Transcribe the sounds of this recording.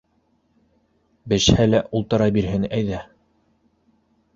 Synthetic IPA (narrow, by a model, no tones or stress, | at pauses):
bɘ̆ʃhælæʔulˠt̪ɤ̆ɾɑbiɾɦɘnæjðæ